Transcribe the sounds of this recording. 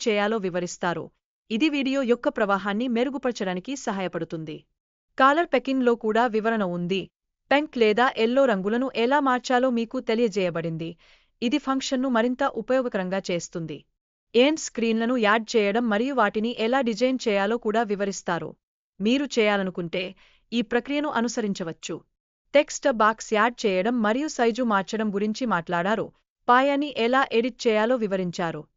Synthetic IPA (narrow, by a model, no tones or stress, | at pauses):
t͡ʃɛːjaːlo̞ːʋiʋɐɾist̪aːɾṵ | id̪iʋiːɽijo̞ːjɔkːɐpɾɐʋaːɦaːnːime̞ɾuɡupɐɽɐt͡ʃɐɽaːnikisɐɦaːjɐpɐɽut̪und̪i | kaːlɐɾpekiŋɡlo̞ːkuːɽaːʋiʋɐɾɐnɐund̪i | peŋklɛːd̪aːʔɛlːo̞ːɾɐŋɡulɐnuʔɛlaːmaːɾt͡ʃaːlo̞ːmiːkut̪e̞lijɐd͡ʒɛːjɐbɐɽind̪iː | d̪ipʰɐŋkʂɐnːumɐɾint̪ɐʔupɐjɔːɡɐkɐɾɐŋɡaːt͡ʃe̞ːst̪und̪ḭ | eːnskɾiːnlɐnujaːɾɖ̚t͡ʃɛːjɐɽɐmːɐɾijuʋaːʈiniʔɛlaːɖid͡ʒɐjnt͡ʃɛːjaːlo̞ːkuːɽaːʋiʋɐɾist̪aːɾṵ | miːɾut͡ʃɛːjaːlɐnukuɳʈe̞ː | iːpɾɐkɾijɐnuʔɐnusɐɾiɲt͡ʃɐʋɐt͡ʃːu | ʈe̞ksʈɐbaːksjaːɾɖ̚t͡ʃɛːjɐɽɐmːɐɾijusɐjd͡ʒumaːɾt͡ʃɐɽɐmɡuɾiɲt͡ʃimaːʈlaːɽaːɾu | paːjaːnːiʔɛlaːʔe̞ɽiʈ̚t͡ʃɛːjaːlo̞ːʋiʋɐɾiɲt͡ʃaːɾu